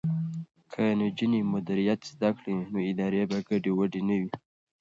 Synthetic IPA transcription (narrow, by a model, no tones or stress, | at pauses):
kʰəned͡ʒinimʊd̪iɾijat̪zd̪akɽinoɪd̪ɑɾjebaɡaɖewəɖinawi